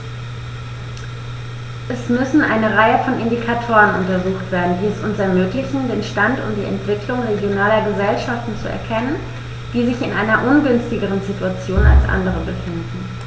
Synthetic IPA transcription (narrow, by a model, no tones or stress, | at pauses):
ʔɛsmʏsn̩ʔa̰ɪnəʁaɪəfɔnɪndikʰatʰoːʁənʊ̰ntɐzuːxtv̥eːɐdn̩diːɛsʊnsɛɐmøːklɪçn̩deːnʃtantʊ̰md̥ḭːʔɛ̰ntv̥ɪklʊŋʁeɡjonaːlɐɡəzɛlʃaftn̩t͡suɛ̰ɐkʰɛnən | d̥iːzɪçɪnʔaɪnɐʔʊnɡʏnstɪɡəʁ̞ənzituat͡sjoːna̰lsʔa̰ndəʁ̞əbəfɪndn̩